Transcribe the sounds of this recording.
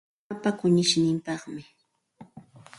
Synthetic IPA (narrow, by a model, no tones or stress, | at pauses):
apakʊɲɪʃnɪmpɑχmɪ